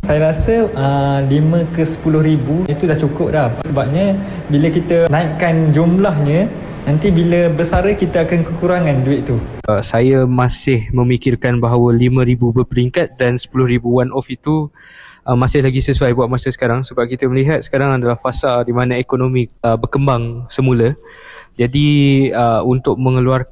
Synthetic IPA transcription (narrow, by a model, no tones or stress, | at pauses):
sajəɾasəəlimə̃kəsə̥pulʊhɾibuit̪udaht͡ʃukʊp̚lahsəbap̚ɲə | biləkit̪ənãɪʔkand͡ʒumlaɦɲə̃ | nant̪ibiləbəsaɾəkit̪əakankəkuɾaŋãnduɪʔt̪u | əsajamasɪhmə̃mikɪrkanbaɦawəlimãɾibubərpəɾiŋkat̪̚dansə̥pulʊhribuwanʔɔfit̪u | ʔəmasɪhlaɡisəsuajbuaʔ̪̚masəsə̥kaɾaŋsəbap̚kit̪əməliɦat̪̚sə̥kaɾaŋadalahfasaldimãnaekonomĩəbərkəmbaŋsəmulə | d͡ʒadiəunt̪ʊk̚mə̃ŋəluar